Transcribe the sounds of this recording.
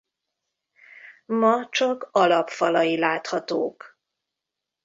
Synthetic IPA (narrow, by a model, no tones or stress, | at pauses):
mɒt͡ʃɒkɒlɒpfɒlɒjilaːt̪hɒt̪oːk